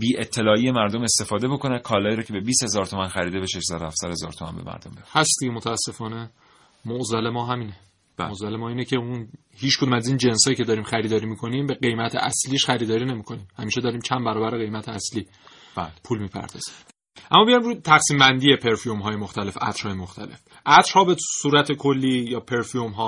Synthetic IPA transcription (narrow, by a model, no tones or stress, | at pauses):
biːʔet̪ʰːe̞lɒːiːemæɾd̪ome̞st̪e̞fɒːd̪e̞bo̞kʰo̞nækʰɒːlɒːiɾɒːcʰe̞be̞biːst̪he̞zɒːɾt̪ʰomænxæɾiːd̪ebeʃeʃsæd̪ohæfsæd̪hezɒːɾt̪ʰomæ̰nbḛmæ̰ɾd̪ombehæsd̪iɟemot̪ʰæːsːe̞fɒːne̞ | moʔzæle̞mɒːɦæmiːne | ozælemɒːiːnecʰe̞un | hiːt͡ʃʰkʰod̪umæziːnd͡ʒe̞nsɒːjiːcʰe̞d̪ɒːɾiːmxæɾiːd̪ɒːɾiːmikʰo̞niːmbe̞ɢe̞jmæt̪ʰḛʔæsliːʃxæɾiːd̪ɒːɾiːne̞miːkʰo̞niːmhæmiːʃed̪ɒːɾiːmt͡ʃʰænbæɾɒːbæɾeɣe̞jmæt̪ʰeæsliː | blpʰuːlmiːpʰæ̰ɾd̪ɒ̰ːz̥i̥m | ʔæmːɒːbejɒimɾuːt̪ʰæxsiːmbænd̪ijepʰe̞ɾfiomɦɒːjemoxt̪æle̞fæ̰t̪ɾ̥hɒːjemoxt̪ʰæle̞̰f | ʔæt̪ɾ̥hɒːbesuːɾæt̪ʰekʰo̞lːiːjɒːpʰe̞ɾfiomɦɒː